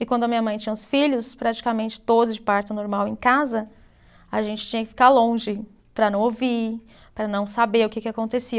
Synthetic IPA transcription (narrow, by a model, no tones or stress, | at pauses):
ɪkwɐ̃nd̪ʊɐmĩɲ̃ɐmɐ̃j̃t͡ʃĩɲɐ̃ʊ̃sfiʎʊspɾat͡ʃi̥kamẽnt͡ʃɪ̥t̪od̪ʊzd͡ʒɪpaɾt͡ʃ̪ʊnoɾmawẽj̃kazɐ | aʒẽnt͡ʃɪ̥t͡ʃĩɲɐkɪ̥fi̥kalõʒɪ | pɾɐnɐ̃w̃ovi | pɾɐnɐ̃w̃sabeɾʊkekɪakõnt̪esi